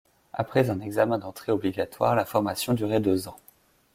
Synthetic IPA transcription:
a̰pχɛzɛ̃nɛɡzamɛ̃d̪ɑ̃t̪χeɔbliɡat̪waːʁlafɔʁmasjɔ̃d̪yʁɛd̪øzɑ̃

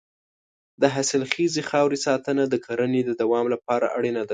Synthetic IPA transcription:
d̪əɦasɪlxizexɑwɾisɑt̪ənad̪əkʰaɾaned̪əd̪awɑmlapɑɾa̰ʔaɽenad̪a

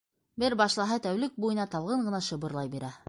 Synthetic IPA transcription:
bɘɾbɑʃlˠɑɦɤt̪æwlɘk̚bujɤ̆nɑt̪ɑlˠʁɤɴɢɤ̆nɑʃɤ̆bɤ̆ɾlˠɑjbiɾæ

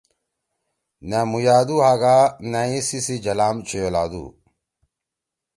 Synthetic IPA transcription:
namujaːd̪uɦaːɡanaĩsisid͡ʑɐlaːmt͡ɕʰujola̰ːd̪ṵ

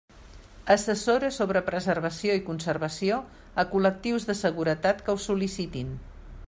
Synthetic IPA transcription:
əsəsoɾəsoβɾəpɾəzərβ̞əsioikunsərβəsio | əkulək̚t̪iwzðəsəɣuɾət̪at̪kəwsulisit̪in

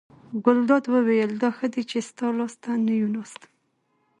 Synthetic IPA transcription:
ɡʊld̪ɑd̪wəwejəld̪ɑxəd̪et͡ʃest̪ɑlɑst̪anəjunɑst̪

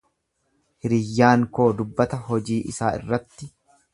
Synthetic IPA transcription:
hɪɾɪjːaːŋko̞ːd̪ʊbːɐt̪ɐɦɔd͡ʒiːʔɪsaːɪ̰rːɐt̪ːɪ

